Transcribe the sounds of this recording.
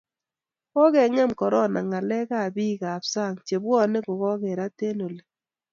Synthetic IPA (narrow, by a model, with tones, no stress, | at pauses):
kɔ˦kɛ˨ŋɛ˦˨mkɔ˨ɾɔ˦na˨ŋa˨lɛ˦ka˦˨bi˦ka˨psa˦˨ŋt͡ʃe˨bwɔ˦˨ne˦ko˨kɔ˦kɛ˨ɾa˦te˦no˨le˨